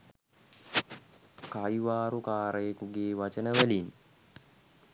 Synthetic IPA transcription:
kajʋaːɾukaːɾəjekuɡeːʋat͡ʃənəʋælin

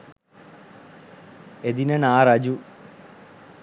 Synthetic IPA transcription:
ed̪inɐnaːrɐd͡ʑu

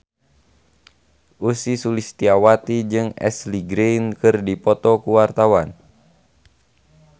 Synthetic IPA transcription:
ʔusisulist̪iawat̪id͡ʒɨŋɛ̰sliɡɾejnkɨrdipɔt̪ɔkuwart̪awan

